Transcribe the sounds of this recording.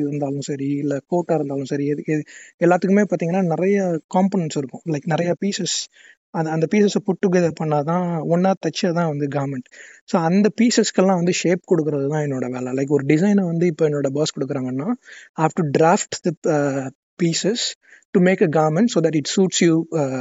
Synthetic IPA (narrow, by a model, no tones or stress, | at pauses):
ɪɾɯnd̪aːlʊ̃sɐɾiɪlːɐkoːʈːaɪɾɯnd̪aːlʊ̃sɐɾiɛðɯkːɛlːaːt̪ːɯkːɯmeːpaːɾt̪iːŋɐnːaːnɪɾɐjɐkaːmpoːnɛɳsɪɾɯkːʊ̃lɐɪkːnɪɾɐjapiːsɛs | ɐɐnd̪ɐpiːsɛspʊʈːɯkːpɐɳːɐt̪ãːʊnːaːt̪ɐt͡ʃːɐt̪ãːʋɐnd̪ɯɡaːɾmɛɳʈsoːɐnd̪ɐpiːsɛskɛlãːʋɐnd̪ɯʃeːp̚kɔɽɯkːɯɾɐðɐt̪ãːɛnːoːɽɐʋeːlɛlɐɪkːɔɾɯɖɪsɐɪnʋɐnd̪ɯɪpːoːɛnːoːɽɐbɐːskɔɽɯkːɯɾaːŋɡɐnːãːhaːfʈuɖɾaːfʈd̪ɐ | piːsɛs | ʈumeːkɐɡaːɾmɛɳʈsoːðɐʈ̬ɪʈsuːʈsjuː